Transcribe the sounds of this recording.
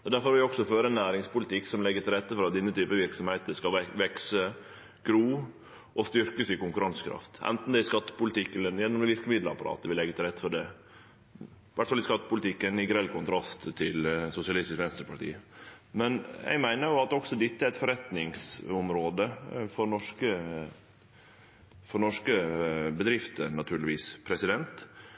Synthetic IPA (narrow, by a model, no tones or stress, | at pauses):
ɛd̪æɾfɔɾʋɪlɪɔksɔføːɾəɛnːæːɾɪŋspʊlɪt̪ɪkːsɔmlɛɡːət̪ʰɪlɾɛt̪ːəfɔɾɑt̪̚d̪ɪnːət̪ʰyːpəʋɪɾksɔmheːt̪əskɑʋɛksə | ɡ̥ɾuː | ʔɔst̪ʏɾkəsɪkʊŋkʉɾɑnskʰɾɑ̰ft̪ʔɛ̰nt̪n̩d̪ɛɪskɑt̪ːə̥pʊlt̪ɪkːɛlːəjɛnːɔmɛʋɪɾkəmɪd̪ləɑ̰pɑɾɑ̰ːt̪ɛʋɪlɛɡət̪ɪlɾɛt̪ːə̥fɔɖɛ | ɪʋæʈ̪ːfɑlɪskɑt̪ːə̥pʊlt̪ɪkːənɪɡɾɛlkʊnt̪ʰɾɑst̪ʰːɪlsʊsɪɑlɪst̪ɪskʋɛnst̪ɾpʰɑɾʈḭːəmɛnɛ̰ɪɡmæɪnəɾjʊɑt̪̚ɔɡsɔd̪ɛt̪ːəæɾɛt̪fɔɾɛt̪nɪŋsʊmɾoːd̪əfɔɾnɔʂkə | fɔnɔʂkəbəd̪ɾɪft̪ənɑt̪ʰʉːɾɭɪʋiːspʰɾɛsɪd̪ɛnt̪